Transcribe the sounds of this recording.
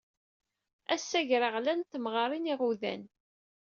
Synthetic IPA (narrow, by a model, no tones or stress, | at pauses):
æsːæʝɾəʁlænt̪ːmʁɑɾˤiniʁuðæ̰n